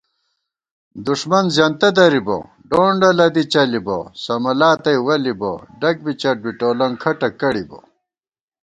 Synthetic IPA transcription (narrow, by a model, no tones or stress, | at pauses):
d̪uʂmɐnzjant̪ɐd̪ɐɾibo̰ | ɖoːɳɖɐlɐd̪it͡ɕɐlibo̰sɐmɐlaːt̪ɐjwɐlibo̰ɖɐk̚bit͡ɕɐʈ̚biʈoːlɐŋkʰɐʈɐkɐɽibo̰